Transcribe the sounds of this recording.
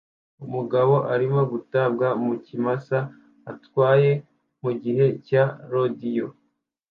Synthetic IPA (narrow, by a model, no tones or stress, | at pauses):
umuɡaβo̞ʔaɾimo̞ɡutabɡamucimasa | atwaːje̞ | muɟiɦe̞caɾodijo